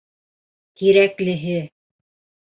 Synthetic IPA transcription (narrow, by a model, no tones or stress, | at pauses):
kiɾæklɘ̆ɦɘ